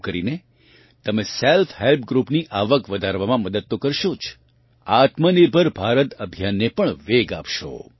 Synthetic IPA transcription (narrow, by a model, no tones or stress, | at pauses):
kəɾine | t̪əmeselfʰɦelp̚ɡɾupniʔaʋəkʋəd̪ʱaɾʋamãməd̪əd̪̚t̪okəɾʃot͡ʃʰ | at̪məniɾbʱəɾbʱaɾət̪əbʱjanːepəɳʋeɡa̰pʃo̰